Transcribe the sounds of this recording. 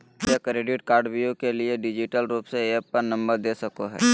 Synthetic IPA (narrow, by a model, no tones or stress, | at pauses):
jekɾeːɖɪʈkaːɾɖbijokelieɖɪd͡ʒɪʈəlɾuːpseeːpːəɾnɐ̃mbəɾd̪eːsəkoɦɛ̰ː